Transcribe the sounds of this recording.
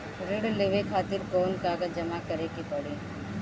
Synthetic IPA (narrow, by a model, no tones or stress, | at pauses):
ɾɪɽleʋekʰaːt̪ɪɾkɔːnkaːɡad͡ʒɐmakɐɾekipɐɽeː